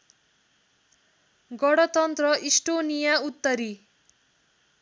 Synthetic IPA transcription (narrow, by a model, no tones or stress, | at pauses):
ɡʌɽʌt̪ʌnt̪rʌʔisʈonijaut̪ːʌɾi